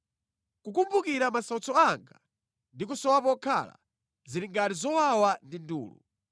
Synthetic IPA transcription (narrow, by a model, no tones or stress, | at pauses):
kukumbukiɾamasaut͡sɔaŋɡa̰ | ndikusɔwapɔkʰa̰la̰ | ziɾiŋɡaɾizɔwawandindṵːlṵ